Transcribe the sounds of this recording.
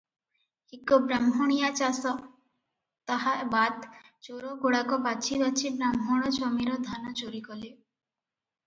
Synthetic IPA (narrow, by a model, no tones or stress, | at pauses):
hikːobɾamɦoɽ̃ijat͡ɕasɔ | t̪aɦabad̪t͡ʃoɾoɡoɽakobat͡ʃʰibat͡ɕʰibɾamɦoɽ̃ɔt͡ɕɔmiɾod̪ʱanɔt͡ɕoɾikɔle